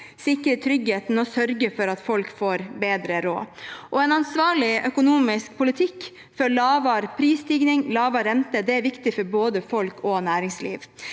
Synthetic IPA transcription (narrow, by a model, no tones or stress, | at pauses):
sɪkːəɾət̪ʰɾʏɡheːt̪nɔsœɾɡəfɔɾɑt̪fɔlkfoːɾbeːd̪ɾəɾo̰ːʔɔɛnɑnsʋɑːɭɪœkʊnuːmɪsk̚pʰʊlɪt̪ʰɪkː | fɔɭɑːʋɑɾpʰɾiːst̪iːɡnɪŋlɑːʋɑɾɛnt̪əd̪ɛæɾʋɪkt̪ɪfɔɾboːd̪əfɔlkʰɔnæːɾɪŋslḭːʋ